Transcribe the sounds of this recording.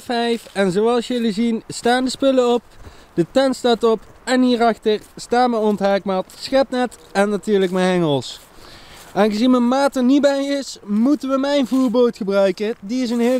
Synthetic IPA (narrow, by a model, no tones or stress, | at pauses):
fɛjfɛnzowɑlˠsjɪlizinstaːndəspɪləɔp̚d̥ətɛnstaːtɔpɛnɦiːrɑxtəɹstaːmɛjɔntɦaːk̚matsxɛtnɛt | ɛnːatyːɹləkmɛɛŋəlˠs | ʔaːnɣəzinmənmaːtənibɛjɪsmutənʋəmɛjnvuːɹboːtχəbrœɥkədiɪs̬ənɦe